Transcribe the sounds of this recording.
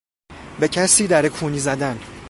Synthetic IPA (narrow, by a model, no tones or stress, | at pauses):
becʰæsiːd̪æɾekʰuːniːzæd̪æn